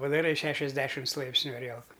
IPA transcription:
pɐdɐˈrɐɪ ˈʃʲæːʃʲɛzʲˌdʲæːʃʲɪms ˈlˠɐɪpʲsʲnʲʊ ɐˈrʲiɛlˠkʊ

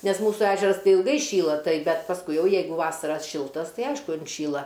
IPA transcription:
nʲɛs ˈmuːsuː ˈæːʒʲɛrɐs ˈtɐɪ ɪlˠˈɡɐɪ ˈʃʲiːlˠɐ ˈtɐɪ ˈbʲɛt pɐsˈkʊɪ ˈjɛʊ ˈjɛɪɡʊ ˈʋɑːsɐrɐ ˈʃʲɪlˠtɐs ˈtɐɪ ˈɐɪʃkʊ ɪnʲˈʃʲiːlˠɐ

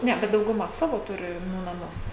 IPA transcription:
ˈnʲɛ bʲɛt dɐʊɡʊˈmɐ ˈsɑːʋoː ˈtʊrʲɪ nʊ nɐˈmʊs

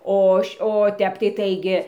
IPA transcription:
ˈoː oː ˈtʲɛp tɐɪ ˈtɐɪɡʲɪ

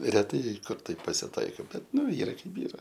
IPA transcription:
rʲɛˈtɐɪ ˈkʊr ˈtɐɪp pɐsʲɪˈtɐɪkoː ˈbʲɛt ˈnʊ ˈiːrɐ ˈkɐɪp ˈiːrɐ

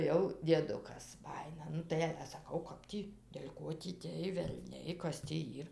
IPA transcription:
jɛʊ dʲiɛˈdʊkɐs ˈbɑːjɪnɐ ˈnʊ tɐɪ ɐlʲɛ sɐˈkɐʊ ˈkɐp tʲiː dʲɛlʲ ˈkoː tʲiː tʲeːj ʋʲɛlʲˈnʲɛɪ ˈkɐs tʲiː ˈiːr

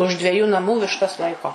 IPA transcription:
ʊʃ dʲʋʲɛˈjuː nɐˈmuː ʋʲɪʃˈtɐs ˈlˠɐɪkoː

